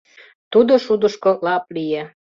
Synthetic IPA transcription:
t̪ud̪oʃud̪əʃkolɑp̚lije

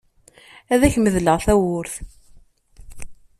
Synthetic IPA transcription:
æðæçməðləʁθæwʊɾθ

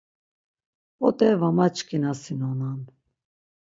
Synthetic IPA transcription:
ɔt̪ʼɛvamat͡ʃkʰʼinasinɔnan

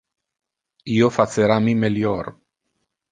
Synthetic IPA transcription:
iofat͡seɾamimeljoɾ

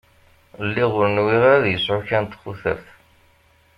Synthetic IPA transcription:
lːiʁʊɾnwiʁæðjəsʕʊçænt̪χʊθə̰ɾθ

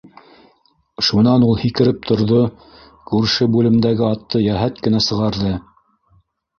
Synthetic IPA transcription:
ʃunɑnulˠhikɘ̆ɾɘp̚t̪ʰŏɾðo | kʉɾʃɘbʉlɘ̆md̪æɡɘɑt̪ʰːɤjæɦæt̪kɘ̆næsɤ̆ʁɑɾðɤ

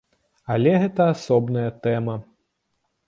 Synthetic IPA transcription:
ɐlʲɛɣɛt̪ɐasɔbnɐjɐt̪ɛmɐ

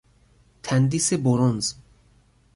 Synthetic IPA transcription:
t̪ʰænd̪iseboɾɔnz

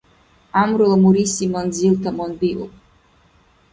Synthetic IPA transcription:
amɾlˠmuɾisimɔnd̪zilˠt̪ʰamɔnb̪iṵ

